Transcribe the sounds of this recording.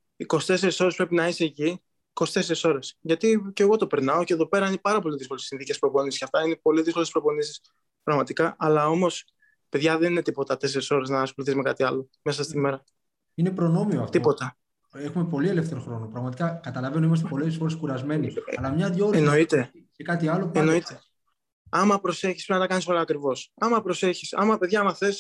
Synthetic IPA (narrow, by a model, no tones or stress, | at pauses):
iko̞si̥t̪e̞se̞ɾiso̞ɾe̞spɾe̞pinɐiseːci | ikosi̥t̪e̞se̞ɾiso̞ɾe̞sʝɐt̪ice̞ɣo̞t̪o̞pe̞ɾnɐo̞ce̞ðope̞ɾɐinepɐɾɐpo̞liðiskolessinθice̞spɾo̞po̞nisisceɐft̪ɐinepo̞liðiskolespɾo̞po̞nisi̥s | pɾɐɣmɐt̪ikɐʔɐlɐo̞mo̞s | pe̞ðʝɐðe̞nine̞t̪ipo̞t̪ɐt̪e̞se̞ɾiso̞ɾe̞znɐːsxo̞luθizme̞kɐt̪iɐlo̞me̞sɐst̪ime̞ɾɐ | ine̞pɾo̞no̞mioɐft̪ipo̞t̪ɐ | exume̞po̞lie̞left̪θeɾoxɾo̞nopɾɐɣmɐt̪ikɐkɐt̪ɐlɐvenuimɐst̪epo̞lessfo̞ɾeskuɾɐzme̞niɐlɐmɲɐðjoɾeno̞it̪e̞ | ekɐt̪iɐloenoit̪e̞ | ɐmɐpɾo̞se̞çispɾenɐt̪ɐkɐnisoɾɐːkɾivo̞sɐmɐpɾo̞se̞çisɐ̰mɐpe̞ðʝɐmɐθe̞s